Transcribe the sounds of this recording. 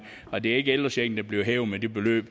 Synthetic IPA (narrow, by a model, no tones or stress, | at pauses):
ɒ̽d̥e̝æe̝ɡəel̰̥ɐseɡn̩d̥æ̈b̥liɐɦɛːʊmed̥e̝b̥e̝lø̰ːb̥